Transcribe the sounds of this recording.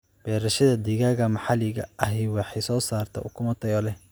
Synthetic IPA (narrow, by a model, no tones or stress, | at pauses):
b̥ɛːɾɐʃɐðɐd̪iɣaːɣɐmɑħɑlɪɣɐ̰ʔɐɦɪwɑħɑjsɔːsaːrt̪ʰɐ̰ʊkʰʊmɐt̪ʰɐjɔlɛ